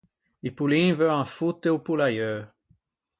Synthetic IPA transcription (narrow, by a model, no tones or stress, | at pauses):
ipulĩvøãfut̪eupulajøː